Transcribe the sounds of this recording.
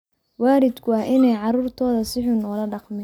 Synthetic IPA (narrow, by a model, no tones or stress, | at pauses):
waːɾɪd̪kʰʊɐhʔɪnɛjʕɑruːrt̪ʰɔːðɐsɪħʊnɔːlɐɖɑqmɪ